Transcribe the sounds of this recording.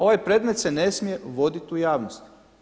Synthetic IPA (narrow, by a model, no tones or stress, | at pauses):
o̞ʋajpɾe̞ːd̪me̞t̪se̞ne̞smije̞ʋo̞d̪it̪ujaːʋnost̪